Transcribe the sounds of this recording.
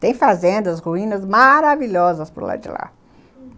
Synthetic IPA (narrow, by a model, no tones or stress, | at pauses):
t̪ẽj̃fazẽnd̪ɐshuĩnɐzmaɾaviʎɔzɐspʊɾla̰d͡ʒɪ̰la̰